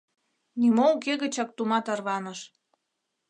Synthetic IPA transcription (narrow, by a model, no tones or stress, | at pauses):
nimouk̬eɣə̆t͡ɕɑk̚t̪umɑt̪ɑrβɑnəʃ